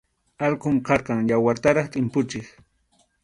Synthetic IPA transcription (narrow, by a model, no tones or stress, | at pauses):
ɑlqʊmqɑɾqɑŋjawaɾt̪aɾɑχt̪ʼɪmpʊt͡ʃɪχ